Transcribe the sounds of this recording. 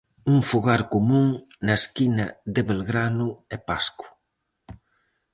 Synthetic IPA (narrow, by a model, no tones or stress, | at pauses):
uŋfuɣaɾkomũŋ | nɐeskinɐd̪eβelɣɾanʊɛpasku̥